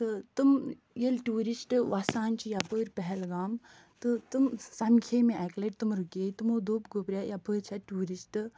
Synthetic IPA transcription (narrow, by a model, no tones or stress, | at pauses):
t̪ɨt̪ɨm | jelʈuːɾisʈʋasaːnt͡ʃʰijapəːɾpɛɦɛlɡaːm | t̪ɨt̪umsɐmkʰemẽɛkleʈt̪umɾukeːt̪umoːd̪oːpɡopɾʲjajɐpəːɾt͡ʃʰɐʈuːɾisʈɨ